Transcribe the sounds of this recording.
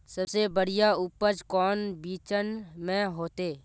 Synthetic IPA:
səbsebəɽɪjaʊpət͡ʃkɔːnbiːt͡ʃənmẽɦoːt̪eː

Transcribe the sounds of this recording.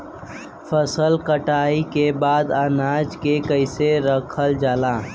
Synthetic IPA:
fʰəsəlkəʈaːikebaːd̪aːnaːd͡ʒkekəɪseɾəkʰəld͡ʒaːlaː

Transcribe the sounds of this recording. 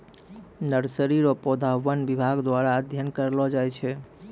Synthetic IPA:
nəɾsəɾiɾɔpɔd̪ʱaʋənʋibʱaɡd̪ʋaɾaəd̪ʱjənkəɾlɔd͡ʒajt͡ʃʰɛ

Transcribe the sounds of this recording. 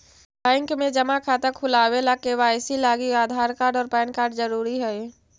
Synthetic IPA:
bɛ̃ːŋkmẽd͡ʒɐmakʰaːt̪əkʰʊlaːwelaːkewaːɪsilaːɡiaːd̪ʱaːɾkaːɾɖɔːɾpɛ̃ːnkaːɾɖzəɾuːɾiɦɛe

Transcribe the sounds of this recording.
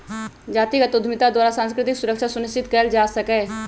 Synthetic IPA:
d͡ʒaːt̪iːɡət̪ʊd̪ʱmɪt̪aːd̪waːɾaːsãnskɾɪt̪ɪksʊɾəkʃaːsʊnɪst͡ʃɪt̪kəld͡ʒaːsəkɛː

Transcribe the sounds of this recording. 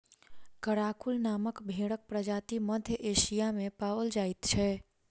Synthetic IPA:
kəɽakulnaməkbʱeɽək̚pɾəd͡ʒat̪iməd̪ʱjəʔesijamepawəld͡ʒait̪t͡ʃʰɛ

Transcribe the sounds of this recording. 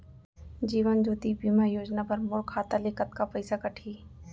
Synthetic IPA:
d͡ʒiːʋənd͡ʒoːt̪ibiːmajoːd͡ʒnapɐɾmʊlkʰːaːt̪aleːkət̪kapɐɪsakɐʈʰiː

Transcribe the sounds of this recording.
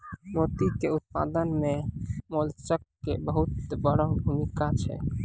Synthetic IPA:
mot̪ikeut̪̚pa̰d̪ənmemolt͡ʃəkːebəɦut̪bəɽəɦbʱumikat͡ʃʰɛ̰

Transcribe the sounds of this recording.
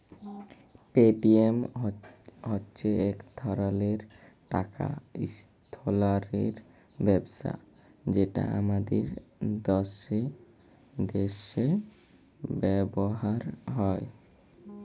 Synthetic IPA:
peʈiem | ɦotːɕʰeɛkt̪ʰɔɾaleɾʈaka̰ist̪ʰolaɾeɾbɛbsa̰d͡ʑeʈa̰a̰mad̪eɾd̪ɔʃe | d̪eʃe | bɛboɦaɾɦɔe

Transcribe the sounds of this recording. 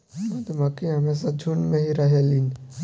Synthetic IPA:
ɐd̪mɐkĩɦɐmes̬ad͡ʒʱunmẽɦiɾɐɦelin

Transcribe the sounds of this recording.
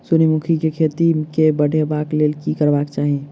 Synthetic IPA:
sunimukʰikekʰet̪ikebəɽʱebakleːlkikəɾbakt͡ʃaːɦie

